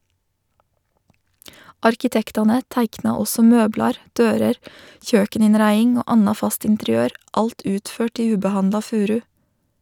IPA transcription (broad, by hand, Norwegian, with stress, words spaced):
ˈɑɾkɪtɛktɑnə ˈtæɪknɑ ˈɔsɔ ˈmøːblɑɾ ˈdøːɾəɾ ˈçøːkəˌnɪnɾæɪɪŋ ˈoː ˈɑnɑ ˈfɑst ɪntɛɾɪˈøːɾ ˈɑlt ˈʉːtˌføːʈ ˈiː ˈʉːbəˌhɑndlɑ ˈfʉːɾʉ